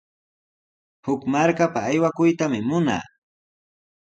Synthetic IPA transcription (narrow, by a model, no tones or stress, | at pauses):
hʊkmaɾkapaːjwakʊjt̪amɪmʊna̰ː